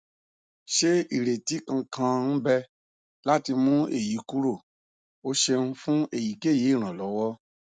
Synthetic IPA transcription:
ʃe˦i˨ɾe˨ti˨˦kã˧kʰã˧n̩˦bɛ˦ | la˦ti˧mũ˦ḛ˦˨ji˨˦ku˦ɾo˦˨ | o˦ʃe˧nũ˦fũ˦e˦˨ji˨˦ke˦˨je˨˦˨ɾ̃ã˨lɔ˨˦wɔ˦

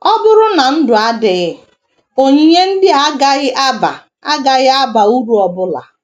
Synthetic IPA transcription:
ɔ˦bʊ˦ɾʊ˦na˨n̩˦dʊ˨a˦dɪ˨ɣɪ˦ | o˦ɲi˦ɲe˦n̩˦dɪ˦a˦ɡa˦ɣɪ˦ʔa˦ba̰˨ | a˦ɡa˦ɣɪ˦a˦ba˨u˦ɾu˨ɔ˨bʊ˦la̰˨

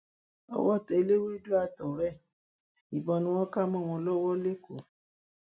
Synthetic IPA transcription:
ɔ̰˧˦wɔ˦˨tɛ˧˦le˦we˦du˦a˧tɔ˨ɾɛ˦˨ | i˨bɔ˨nũ˧w̃ɔ̃˦ka˦˨mɔ̃˦˨w̃ɔ̃˧lɔ˦wɔ˦le˦ko˨

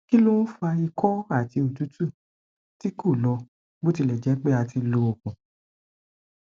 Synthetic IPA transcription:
ki˦lo˦fa˧i˧kʰɔ˦a˦˨ti˧o˨tu˨˦tu˦˨ | ti˦ko˦˨lɔ˧ | bo˦ti˧lɛ˨d͡ʒɛ˨˦k͡pe˦a˧ti˧lo˧o˨kũ˨

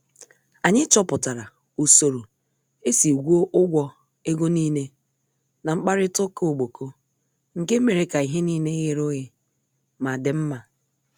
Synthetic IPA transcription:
a˨ɲɪ˦t͡ʃɔ˦pʊ˨ta˨ɾa˨ | u˨so˨ɾo˨ | e˦si˨u˨ɡʷu˦o˦ʔʊ˦ɡʷɔ˦ | e˦ɡo˦niː˦ne˦ | na˨ŋ͡m̩˦k͡pa˦ɾɪ˦tʊ˦ko˦o˨ɡ͡bo˨kʰo˦ | ŋ̩˨ke˦me˨ɾe˦ka˨i˨ɦe˦niː˦ne˦ɣe˨ɾʊ˦ɣɪ˦ | ma˨dɪ˨m̩˦ma˨

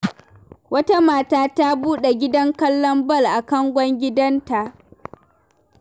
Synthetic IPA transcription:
wɐ˦ta˦maː˦taː˦ta˦buː˦ɗe˨ɡʲɪ˦dɐ˦ŋkɐ˦lːɔ˦mbɐ˦˨lʔa˨kɐ˦ŋɡʷɔ˦ŋɡʲɪ˦dɐ˦nta˨ʔ

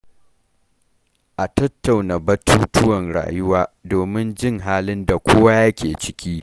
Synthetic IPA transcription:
ʔa˨tɐ˦tːa˨wna˨bɐ˦tʰuː˦tʊ˦wɐ˨nɽa̰ː˨jʊ˦waː˦doː˨mɪ˦nd͡ʒɪ˦ŋɦaː˦lɪ˦nda˨kʷoː˦wa˦jɐ˦kʲeː˨t͡ʃɪ̥˦kʲiː˦

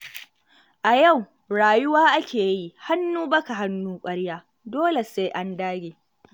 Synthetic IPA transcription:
ʔa˨ja˦˨w | ɽaː˨jʊ˦waː˦ʔa˦kʲʰeː˨ji˦ʔha˦nːuː˦bɐ˦ka˨ɦa˦nːuː˦kʷʼɐ˦ɽjaː˦ | doː˦le˨seː˦ʔa˦ndaː˦ɡʲeː˨

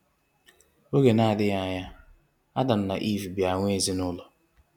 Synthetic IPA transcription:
o˦ɡe˨na˦a˨dɪ˦ja˦a˦˨ɲa˦ | a˦da˨m̩˦na̰˨ʔi˦˨vi˨bja˨ŋʷ˦e˦˨zi˦nʊ˦lɔ˨

